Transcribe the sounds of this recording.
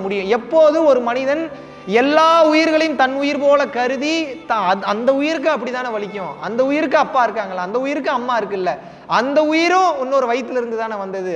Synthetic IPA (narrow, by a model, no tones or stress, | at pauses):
mʊɽɪjʊ̃ɛpːoːðɯɔɾɯmɐnɪðɐn | ɛlːaːʊjɪɾɣɐɭɐjɯmt̪ɐnʊjɪɾpoːlɐkɐɾɯðit̪ɐɐnd̪ɐʊjɪɾɯkːɯ̃ɐpːɐɽɪt̪aːnɐʋɐɭɪk̬ʲːʊ̃ɐnd̪ɐʊjɪɾɯkːɯɐpːaːɪɾɯkːaːŋɡɐɭlaːnd̪ɐʊjɪɾɯkːɯ̃ɐmːaːɪɾɯkːɯɪlːɐ | ɐnd̪ɐʊjɪɾʊ̃ʊnːoːɾɯʋɐjt̪ːɪlɪɾɯnd̪ɯt̪aːnɐʋɐnd̪ɐðɯ